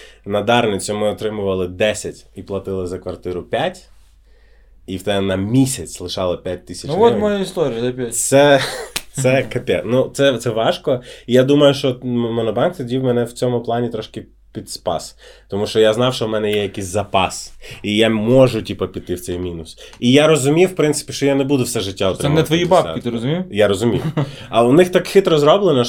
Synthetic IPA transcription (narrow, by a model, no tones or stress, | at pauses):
nɐd̪ɑrnɪt͡sʲʊmɪɔt̪ɾɪmʊʋɐlˠɪd̪ɛsʲɐtʲiplˠɐt̪ɪlˠɪzɐkʋɐrt̪ɪɾʊpʲatʲ | iwt̪ɛnɐmʲisʲɐt͡sʲlˠɪʃɑlˠɪpʲjat̚ʲt̪ɪsʲɐt͡ʃnɔmɔjɛist̪ɔɾʲɪjɛp̪ʲsɛ | sɛkɐpʲɛnut̪sɛt̪sɛʋɑʃkɔijad̪umɐjʊʃt͡ʃɔmɔnɔbɑnkt̪ɔdʲiwmɛnɛwt͡sʲɔmʊplˠɑnʲit̪ɾɔʃkɪ | pʲid̪spɑ̰st̪ɔmuʃt͡ʃɔjaznɑwʃt͡ʃɔwmɛnɛjɛjɐkisʲzɐpɑsijamɔʒʊtʲipɐpʲit̪ɪwt̪sɛjmʲinʊsijaɾɔzʊmʲijwpɾɪnsɪ̥pʲiʃt͡ʃɔjanebud̪ʊwsɛʒɪtʲːaɔt̪ɾɛnɛt̪ʋɔjibɑpʲit̪ɪɾɔzʊmʲijaɾɔzʊmʲḭjɐwnɪxt̪ɑkxɪt̪ɾɔzɾɔblˠenɔ